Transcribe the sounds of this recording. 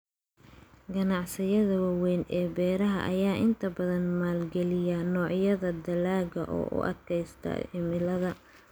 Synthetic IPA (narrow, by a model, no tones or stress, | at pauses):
ɡɐnɑʕsɪjɐðɐwɑwɛːnʔɛːbɛːɾɐɦɐ̰ʔɐjaːʔɪnt̪ʰɐbɐðɐnmaːlɡɛlɪjanɔːʕjɐðɐd̪ɐlaːɣɐʔɔ̰ːʔʊ̰ʔɐ̰d̪kʰɛjst̪ʰɐ̰ɪmɪlɐðɐ